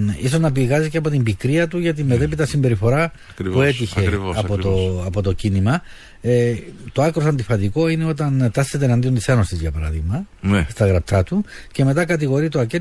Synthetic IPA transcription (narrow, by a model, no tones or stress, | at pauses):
is̬o̞znɐpiɣɐziceɐpo̞t̪imbikɾiɐt̪uʝɐt̪̬imet̪e̞pit̪ɐsimbe̞ɾifo̞ɾɐ | pue̞t̪içe̞ɐpot̪oɐpo̞t̪o̞cinimɐ | t̪o̞ɐkɾosɐnd̪ifɐt̪iko̞ine̞o̞t̪ɐnt̪ɐset̪enɐnd̪io̞nt̪isenost̪izʝɐpɐɾɐ̰ðiɣmɐ | nst̪ɐɣɾɐp̚t̪ʰɐt̪uce̞me̞t̪ɐkɐt̪iɣo̞ɾit̪oɐce